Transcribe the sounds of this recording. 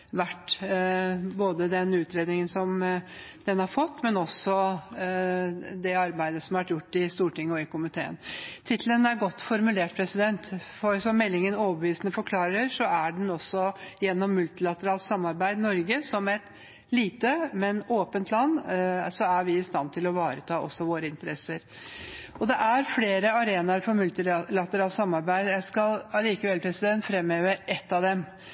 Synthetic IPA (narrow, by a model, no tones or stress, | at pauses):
ʋæʈː | boːd̪əd̪ɛnʉːt̪ɾeːd̪nɪŋənsɔmd̪̥ɛnhɑɾfɔt̪ːmɛnɔsːɔ | d̪ɛɑɾbæɪd̪əsɔmɑʋæʈjʊʈːɪst̪uːʈɪŋːəɔɪkʊmɪt̪ʰḛːə̰nt̪ʰɪt̪ʰl̩ənæɾɡɔt̪ːfɔɾmʉleːʈpʰɾɛsɪd̪ɛnt̪fɔɾsɔmːɛlːɪŋənoːʋəbəʋiːsənəfɔɾkʰlɑːɾəɾʂɔæɖɛnɔsːɔjɛnːɔmːʉlt̪ɪlɑt̪əɾɑːlt̪sɑmːɑɾbæɪd̪nɔɾɡəsɔmɛt̪ | liːt̪əmɛnoːpənt̪ʰlɑnːsɔæɾʋɪɪst̪ɑnt̪ʰɪlɔʋɑːɾət̪ʰɑːʔɔ̰sːɔʋoːɾəɪnt̪əɾɛsːəɾ | ɔd̪ɛʔæɾfleːɾəɑɾeːnɑɾfɔɾmʉlt̪ɪlɑt̪əɾɑːlt̪sɑmːɑɾbæɪd̪jæɪskɑlɑliːkəʋɛlpʰɾɛsɪd̪ɛnt̪fɾɛmːøːʋəɾʔɛt̪ːɑd̪ɛm